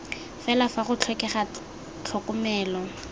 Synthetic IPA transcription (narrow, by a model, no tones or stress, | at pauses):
fɛlafaχʊt͡ɬʰwɛkɛχa | t͡ɬʰɔkʼʊmɛːlɔ